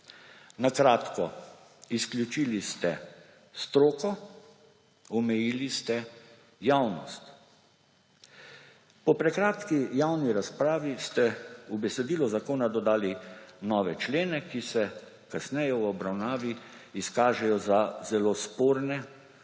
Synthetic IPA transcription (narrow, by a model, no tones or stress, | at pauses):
nakɾaːt̪kɔ | isklʲjut͡ʃiːlist̪ɛ | st̪ɾoːkɔ | ɔmɛjilist̪ɛ | jawnɔ̰st̪ | pɔpɾɛkɾaːt̪kijawniɾaspɾaːʋist̪ɛubɛsɛd̪iːlɔzakoːnad̪ɔd̪aːlinɔːʋɛt͡ʃleːnɛkisɛ | kasnɛjɛwɔbɾawnaːʋiiskaːʒɛjɔzazɛlospoːɾnɛ